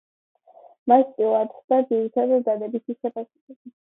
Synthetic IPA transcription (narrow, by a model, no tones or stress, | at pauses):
mast̪ʼilˠaɾt̪ʰχd̪ad̪ziɾit̪ʰad̪ad̪d̪ad̪ɛbisʰisɛpʼasɛkɛbi